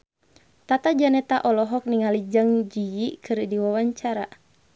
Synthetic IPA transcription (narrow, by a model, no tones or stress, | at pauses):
t̪at̪ad͡ʒanɛt̪aʔɔlɔɦɔk̚niŋalid͡ʒaŋd͡ʒijikʰɨrdiwawaɲt͡ʃaɾa